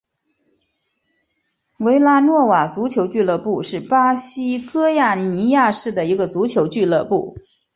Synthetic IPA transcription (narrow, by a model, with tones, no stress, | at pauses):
we˧˥ɪla˥nwɔ˥˩wa˨˩t͡su˧˥t͡ɕʰjo˧˥ʊt͡ɕy˥˧lɤ˥˧pu˥˧ʂɻ̩˥˩pa˥ɕi˥kɤ˥ja˥˩ni˧˥ja˥˧ʂɻ̩˥˩d̪ə˩i˧˥ɡə˧t͡su˧˥t͡ɕʰjo˧˥ʊt͡ɕy˥˧lɤ˥˧pu˥˩